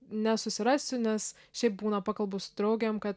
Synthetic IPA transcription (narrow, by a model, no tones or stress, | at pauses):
nʲɛsʊsʲɪɾɑːsʲʊnʲɛs | ʃʲɛɪp̚buːnɐpɑːkɐlˠbosʊ̥t̪ɾɐʊɡʲemkɐt̪